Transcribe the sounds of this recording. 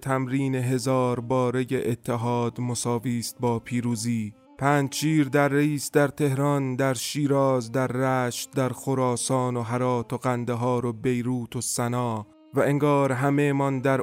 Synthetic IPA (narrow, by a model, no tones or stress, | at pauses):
t̪ʰæmɾiːne̞ɦe̞zɒːɾbɒːɾe̞jeʔet̪ʰːe̞ɦɒːd̪mosɒːviːst̪̚bɒːpʰiːɾuːziː | pʰæːnd͡ʒʃiːɾd̪æɾːeiːsd̪æɾt̪ʰe̞hɾɒnd̪æɾʃiːɾɒːzd̪æɾːæːʃt̪̚d̪æɾxoɾɒːsɒːno̞ɦæɾɒːt̪ʰoɣænd̪eɦɒːɾo̞be̞jɾuːt̪ʰosænɒː | væʔeŋɡɒːɾɦæme̞mɒnd̪æɾ